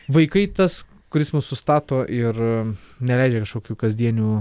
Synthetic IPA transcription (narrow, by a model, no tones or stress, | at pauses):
ʋɐɪkɐɪt̪ɐs | kʊɾʲɪsmʊsʊst̪ɑːt̪oːʔɪrnʲɛlʲɛɪd͡ʒʲɛkɐʃkoːkʲuːkɐzʲd̪ʲiɛnʲuː